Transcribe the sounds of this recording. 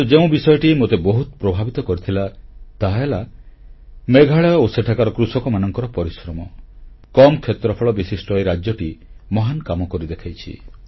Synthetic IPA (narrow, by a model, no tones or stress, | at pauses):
ud͡ʒeũbisɔjɔʈimot̪ebɔɦut̪ɔ̥pɾɔbʱabit̪ɔkɔɾit̪ʰilat̪aɦela | meɡʱaɭeɔoseʈʰakaɾɔkɾusɔkɔmanɔŋkɔɾɔpɔɾisɾɔmɔkɔmɔkʰet̪ɾɔpʰɔɭɔbisisʈɔjɾad͡ʒjɔʈimɔɦankamɔkɔɾid̪ekʰajt͡ʃʰḭ